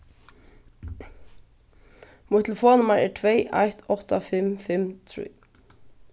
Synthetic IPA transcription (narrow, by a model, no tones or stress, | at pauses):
mʊjt̪l̩fɔːnʏmaɹɛɹt̪ʰvejʔajht̪ɔht̪afɪmfɪmt̪ʰɾḭː